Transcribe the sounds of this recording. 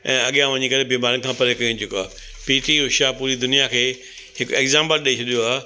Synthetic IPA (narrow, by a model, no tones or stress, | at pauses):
ɛ̰̃ːɐɠjãʋɐɲikɐɾebiːmaːɾənɪkʰãːpɐɾekɐĩd͡ʑʊkoaː | piːʈiɦʊʃapuːɾid̪ʊnijakʰeː | hɪkeːɡzãːmbəɾɗiit͡ɕʰɐɗijoaː